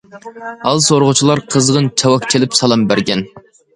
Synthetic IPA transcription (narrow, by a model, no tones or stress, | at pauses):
ɑlˠsoɾʁʊt͡ʃʰilˠɑɾqʰəzʁənt͡ʃʰɑwɑkʲt͡ʃʰelɪpsɑlˠɑmbæɾɡʲɛn